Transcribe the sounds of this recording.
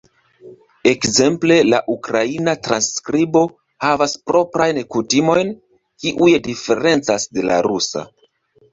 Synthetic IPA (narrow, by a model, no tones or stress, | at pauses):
e̞kze̞mple̞laʔukɾainatɾanskɾibo̞ | havaspɾo̞pɾajnkutimo̞jn | kiʔujdife̞ɾe̞nt͡sasde̞la̰ɾusa̰